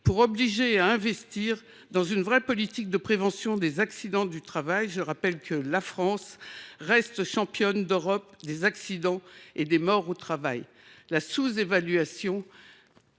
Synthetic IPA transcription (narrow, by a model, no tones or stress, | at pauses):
puʁɔbliʒeaɛ̃vɛst̪iʁ | d̪ɑ̃zynvʁɛpɔlit̪ik̚d̪əpχevɑ̃sjɔ̃d̪ezaksid̪ɑ̃d̪yt̪χavajʒəʁapɛlkʰəlafχɑ̃sʁɛst̪ʃɑ̃pjɔnd̪øʁɔpd̪ezaksid̪ɑ̃ed̪emɔʁot̪χavaj | lasuzevalɥasjɔ̃